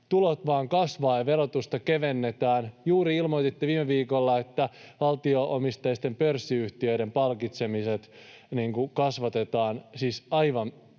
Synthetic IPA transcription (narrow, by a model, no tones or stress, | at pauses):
t̪ulot̪ʋɑːŋkɑsʋɑːʋeɾot̪ust̪ɑke̞ʋenːet̪æːnjuːɾiilmoit̪it̪ːiʋiːmːeʋiːkolːɑet̪ːæʋɑlt̪ioʔomist̪ɑjist̪e̞mpørsːiyht̪iø̞iɾempɑlkit̪se̞miset̪niŋkukɑsʋɑt̪e̞t̪ɑːnsiːsɑiʋɑn